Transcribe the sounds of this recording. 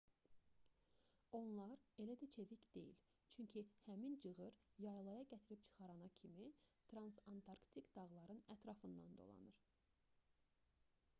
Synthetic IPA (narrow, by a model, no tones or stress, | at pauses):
o̞nlˠɑɾe̞læd̪æt͡ʃʰevicd̪̥e̞̰jḭl | t͡ʃʰyɲcʰihæmind͡ʒɯɣɯɾjɑjlˠɑjɑɟæt̪ʰiɾip̚t͡ʃʰɯ̥χɑɾɑnɑcʰimit̪ʰɾɑnsɑnt̪ʰɑɾkt̪ʰikd̪ɑʁlˠɑɾɯnæt̪ʰɾɑfɯnd̪ɑ̰nd̪o̞̰lˠɑ̰nɯɾ